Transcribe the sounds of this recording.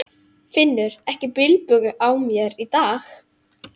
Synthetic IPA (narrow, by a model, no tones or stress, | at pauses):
fɪnːʏɾɛhcɪpɪlpʏɣʏʔaːwmjɛɾit̪aːx